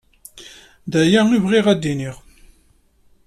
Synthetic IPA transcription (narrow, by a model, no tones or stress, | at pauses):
ðæjæivʁɪʁæd̪ːiniʁ